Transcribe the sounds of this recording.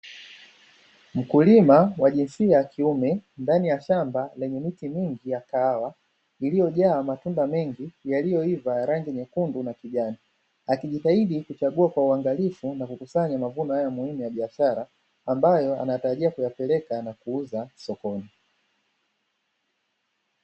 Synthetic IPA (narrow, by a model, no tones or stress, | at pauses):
m̩kulimawaʄinsiajakʰiumɛndanijaʃambalɛɲɛmitimiŋɡijakaawa | ilijɔʄaːmatundamɛŋɡijalijɔivajaɾaŋɡiɲɛkundunakiʄani | akiʄitaiɗikut͡ʃaɠuakwauaŋɡalifunakukusaɲamavunɔhajamuimɛjaɓiaʃaɾaː | mbajɔa̰najataɾaʄiakujapɛlɛkanakuuzasɔkɔni